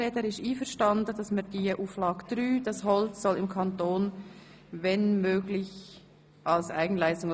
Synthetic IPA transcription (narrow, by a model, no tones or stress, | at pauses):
ɛːdəɾɪʃiːfəɾʃtɑndəd̥ɑsmɛdiːʔuːflɑːɡd̥ɾyːd̥ɑshɔlt͡ssɔlɪmkʰɑntoːn | vɛnmøːɡlɪç | ʔɑlsʔa̰ɪɡn̩laɪstʊŋ